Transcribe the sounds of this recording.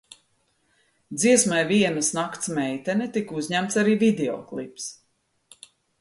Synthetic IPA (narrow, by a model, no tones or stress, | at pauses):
d̪ziɛsmajviɛnasnakt̪smɛjt̪ɛnɛt̪ikuzɲæmt̪saɾiːvid̪eɔ̰klˠips